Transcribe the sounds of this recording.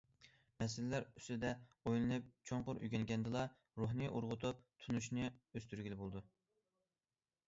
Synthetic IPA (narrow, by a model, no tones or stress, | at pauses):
mɛsɪlɪlæɾy̥sɪd̪ɛojlˠɨnɨp̚t͡ʃʰoɴqʊɾʔy̰ɡʲɛŋɡʲɛnd̪ɨlˠɑ | ɾuɦnɨʔuɾʁʊt̪ʰup̚t̪ʰunuʃnɨøst̪yɾɡʲilɪbolˠd̪u